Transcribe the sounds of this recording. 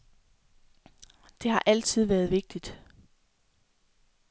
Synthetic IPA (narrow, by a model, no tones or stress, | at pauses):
d̥e̝hɑ̈ʔæl̰t͡sʰið̞̰ˠʋæːɐð̞ˠʋe̝ɡ̥̚d̥id̥